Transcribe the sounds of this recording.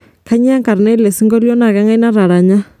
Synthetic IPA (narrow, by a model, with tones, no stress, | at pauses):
kʰa˦ɲ˦a˦ŋka˨ɾnɛ˦lɛ˨si˦ŋɡɔ˦ljɔ˦na˨ka˦ŋa˦i˦na˦ɾa˨ɾa˨ɲa˦